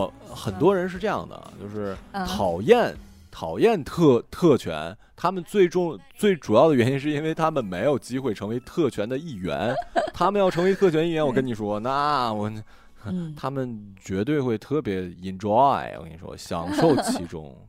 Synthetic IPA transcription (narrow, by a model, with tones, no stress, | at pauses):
xə˨˩nt̪wɔ˥ɻə˧˥nʂ̬ɻ̩˥˧ʈ͡ʂɤ˥˧jɑ̰˥˩ŋd̪ə̰˩t͡ɕjo˥˧ʊʂɻ̩˥˩t̪ʰɑ˨˩ʊjɛ˥˩n | t̪ʰɑ˨˩ʊjɛ˥˧nt̪ʰɤ˥˧t̪ʰɤ˥˩t͡ɕʰɥɛ̰˧˥nt̪ʰa˥mə˨nt͡swe˥˩ɪʈ͡ʂʊ˥˧ŋt͡swe˥˩ɪʈ͡ʂu˨˩jɑ˥˩ʊd̪ə˩ɥɛ˧˥ni˥nʂ̬ɻ̩˥˩i˥nwe˥˩ɪt̪ʰa˥mə˨nme˧˥ɪjo˨˩ʊt͡ɕi˥xwe˥˩ɪʈ͡ʂʰɤ˧˥ŋwe˧˥ɪt̪ʰɤ˥˩t͡ɕʰɥɛ˧˥nd̪ə˧i˥˩ɥɛ̰˧˥nt̪ʰa˥mə˨njɑ˥˩ʊʈ͡ʂʰɤ˧˥ŋwe˧˥ɪt̪ʰɤ˥˩t͡ɕʰɥɛ˥ni˥˩ɥɛ˧˥nwɔ˨˩kə˥ni˨˩ʂwɔ˥na˥˧wɔ˧˩˧ | t̪ʰa˥mə˨nt͡ɕɥɛ˧˥t̪we˥˧ɪxwe˥˧ɪt̪ʰɤ˥˩pjɛ˧˥i˧˥nʈ͡ʂwɑ̰˥˧˩nḭ˨˩ʂwɔ̰˥ɕjɑ̰˨˩ŋʂo˥˩ʊt͡ɕʰi˧˥ʈ͡ʂʊ̰˥ŋ